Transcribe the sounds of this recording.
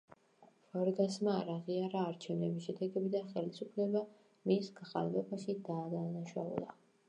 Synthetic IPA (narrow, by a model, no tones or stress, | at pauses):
v̥aɾɡasmaɾaʁiaɾaːɾt͡ʃʰɛvnɛbisʃɛd̪ɛɡɛbid̪aχɛlisupʰlɛba | misɡaχa̰lvɛbaʃid̪aːd̪anaʃa̰ṵlˠa̰